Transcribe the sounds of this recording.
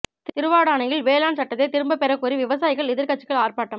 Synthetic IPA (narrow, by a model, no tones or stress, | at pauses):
t̪ɪɾɯʋaːɽaːnɐjɪlʋeːlaːnsɐʈːɐðeːt̪ɪɾɯmbɐpɛɾɐkːuːɾiʋɪʋɐsaːjɪɣɐɭɪðɪɾkɐt͡ʃːɪ̥kːɐɭaːrpaːʈːɐm